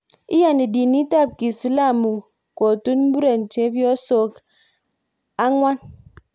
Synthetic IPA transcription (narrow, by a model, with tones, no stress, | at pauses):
i˦ja˨ne˨di˨ni˦ta˦˨p̚ki˨si˨la˦˨mu˨ | ko˨tu˦nm̩˦bu˦ɾe˨n̩˨te˨˦bjɔ˦so˦k | a˦ŋʷa˦n